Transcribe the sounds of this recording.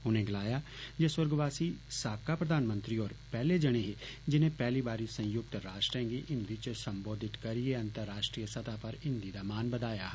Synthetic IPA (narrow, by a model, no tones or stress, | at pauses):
ʊnẽːɡɪlaːjaːd͡ʒeːsʊɾɡʋaːsiːsaːkaːpɾəd̪aːnmə̃nt̪ɾiːoːɾpɛːleːd͡ʒəɽ̃eːɦeːd͡ʒɪnẽːpɛːliːbaːɾiːsə̃jʊk̚t̪ɾaːʃʈɾɛ̃ːŋɡiːʔɪ̃nd̪iːt͡ʃsəmboːd̪ɪt̪kəɾieːə̃nt̪əɾːaːʃʈɾiːəsət̪ʰaːpəɾɪnd̪iːd̪aːmaːnbəd̪aːjaː